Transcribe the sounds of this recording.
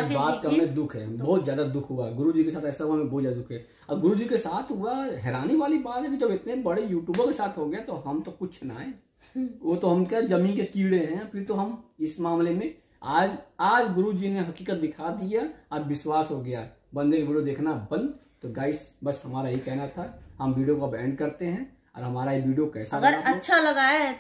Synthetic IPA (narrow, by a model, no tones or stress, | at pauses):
d͡ʒbaːt̪kɐmẽd̪ʊkʰɦɛ̰bɔɦːt̪zjaːd̪ad̪ʊkʰɦʊaɦɛɡʊɾud͡ʒikesaːt̪ʰɛːsaɦuamẽbɔːt̪zjad̪ad̪ʊkʰɦɛː | ɔːɾɡʊɾud͡ʒikesaːt̪ʰɦʊaɦɛːɾaːniʋaːlibaːt̪ɦɛ̃t̪od͡ʒɐbɪt̪nebəɽejuːʈjuːbəɾkesaːt̪ʰɦoɡɐjat̪oɦɐmt̪okʊt͡ʃʰnaːẽ | ʋot̪oɦɐmkazɐmĩːnkekiːɽeɦɛ̃pʰɪɾt̪oɦɐmɪsmaːmlemẽ | aːd͡ʒaːd͡ʒɡʊɾud͡ʒineɦɐkiːkət̪̚d̪ɪkʰad̪ijaɔːɾʋɪswaːsɦoɡɐjaɦɛ | bɐ̃nd̪ekʋiːɖijod̪eːkʰnabɐ̃nd̪ | t̪oɡaːɪsbɐsɦɐmaːɾaɦikɛɦnat̪ʰaɦɐmʋiːɖijokaɐbɛ̃ːɳɖ̚kɐɾt̪eɦɛ̃ | ɔ̰ːɾɦɐmaːɾaɦiʋiːɖijokɛːsaɐɡəɾaɐːʃʰalɐɡaːe